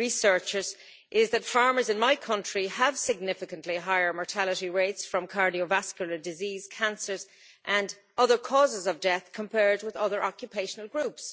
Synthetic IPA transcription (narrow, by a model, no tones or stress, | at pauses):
ɹisɜ˞t͡ʃəz | ʔɪzðətfɑɹmə˞zɪ̃nmaɪkʰʌ̃nt͡ʃɹ̥iəv̥sɪɡ̚nɪfɪkə̃nʔliɦaɪə˞mɔɹtʰaləɾiɹeɪtsfɹʌ̃mkʰɑɹɾiovaskjəlˠə˞dɪziːz̥kʰæ̃nsə˞z | ʔə̃n | ʌðə˞kʰɔːzɪzʌvdɛθkʰə̃mpʰɛɹd̚wɪðʌðə˞ʔɑkjəpʰeɪʃənəlˠɡɹups